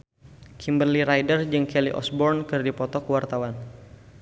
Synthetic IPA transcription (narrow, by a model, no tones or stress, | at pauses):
kʰimbərliɾajdərd͡ʒɨŋkɛliʔɔ̰sbɔrnkərdipɔt̪ɔkəwart̪awan